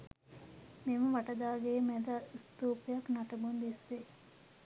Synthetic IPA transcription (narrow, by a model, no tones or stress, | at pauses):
memɐʋɐʈɐd̪aːɡeːmɛd̪ɐst̪uːpejɐknaʈɐbund̪isːe